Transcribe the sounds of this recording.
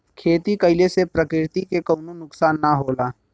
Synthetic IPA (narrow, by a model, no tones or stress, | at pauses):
kʰeːt̪ikəɪlesepɾəkɪɾɪt̪ikekəːnonʊksaːnːaɦoːlaː